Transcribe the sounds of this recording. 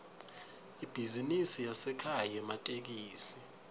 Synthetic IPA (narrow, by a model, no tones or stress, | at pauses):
ib̥ʱizinisijasɛkʰajɛmatʼek̬iːsi̥